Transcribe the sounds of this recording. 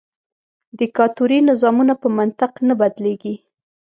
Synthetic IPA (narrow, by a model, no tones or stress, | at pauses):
d̪ɪkɑt̪uɾinɪzɑmunapəmant̪ɪqnabad̪leɡi